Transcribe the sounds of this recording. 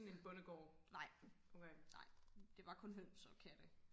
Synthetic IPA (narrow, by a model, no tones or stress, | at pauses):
ne̝nb̥ɔ̽nəɡ̥ɒ̰ːnɑ̈ɪ̰ʔoʊkʰeːnɑ̈ɪ̰d̥e̝ʋɑ̈kʰɔ̽nɦønsɒ̽kʰæd̥ə